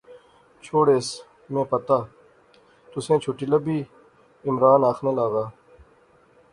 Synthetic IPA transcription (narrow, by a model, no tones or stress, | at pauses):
t͡ʃʰoːɽeːs | mẽːpɐt̪aː | t̪ʊsẽːt͡ʃʰuʈilɐbʱiː | ɪmɾaːnaːxnelaːɣaː